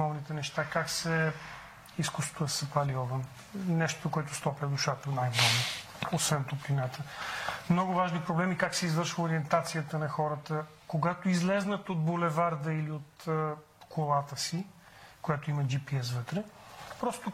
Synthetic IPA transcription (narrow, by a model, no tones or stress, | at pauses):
ɔvnit̪ɛnɛʃt̪akaksɛ | iskust̪t̪oəsɐpaliɔvən | nɛʃt̪ookoɛt̪ʊst̪ɔpləd̪ʊʃat̪ənajbəno | osvɛnt̪oplinat̪əmnɔɡʊvaʒnipɾoblɛmikaksɛizvɤɾʃvəoɾiɛnt̪at̪sijət̪ənɐxɔɾət̪ə | koɡat̪oizlɛznət̪od̪̚bolɛvaɾd̪əiliot̪ə | kʰolˠat̪əsi | kojat̪ʊiməd͡ʒipiɛsvət̪ɾɛpɾɔst̪o